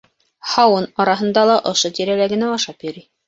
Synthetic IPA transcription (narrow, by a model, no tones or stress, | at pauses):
hɑwɤnɒɾɑɦɤ̆nd̪ɑlˠɑʔŏʃot̪iɾælæɡɘ̆næɑʃɑpjɵ̆ɾi